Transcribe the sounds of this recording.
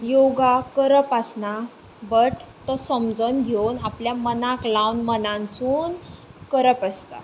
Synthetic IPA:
joɡakəɾəpəsna | bəʈt̪ːɔsəmd͡zənɡʱewnapljamənaklawnmənãnt͡suːnkəɾəpəst̪a̰

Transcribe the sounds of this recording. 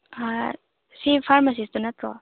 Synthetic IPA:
a | sipʰaɾmas̬ist̪unat̪ɾɔ̰

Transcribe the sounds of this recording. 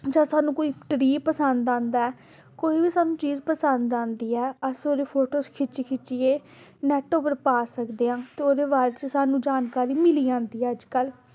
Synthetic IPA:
d͡ʒãːsaːnũːkoːiːʈɾiːpəsənd̪ãːnd̪aːɛː | koːiːʋiːsaːnũːt͡ʃiːzpəsənd̪ãːnd̪iːɛːəsoːɾeːpʰoːʈoːskʰɪt͡ʃikʰɪt͡ʃiːeː | nɛːʈopəɾpaːsəkd̪eːãːt̪eːoːɾeːbaːɾeːt͡ʃəsaːnũːd͡ʒaːnkaːɾiːmɪliːãːnd̪iːɛːəd͡ʒkəl

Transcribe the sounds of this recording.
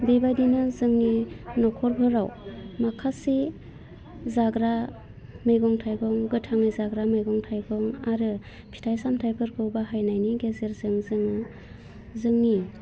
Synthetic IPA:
bebajdinɯzɯŋninɔkʰɔɾbʱɯɾawmakʰasi | zaɡɾa | mɯjɡɔŋtʰajɡɔŋɡɯtʰaŋɯjzaɡɾamɯjɡɔŋtʰajɡɔŋaɾɯ | pʰi̥tʰajsamtʰajpʰɯɾkʰɯwbaɦajnajniɡezeɾzɯŋzɯŋɯ | zɯŋni

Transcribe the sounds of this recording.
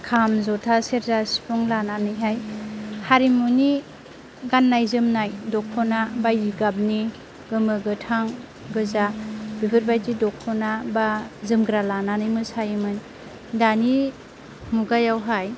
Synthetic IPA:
kʰamzɔtʰaseɾzasi̥pʰɔŋlananɯjɦajhaɾimuni | ɡanːajzɯmnajdɔkʰːɔnabajiɡab̚ni | ɡɯmɯɡɯtʰaŋ | ɡɯzab̥ibɯɾbajdidɔkʰɔnabazɯmɡɾalananɯjmɯsajɯmɯn | dani | muɡajawɦaj

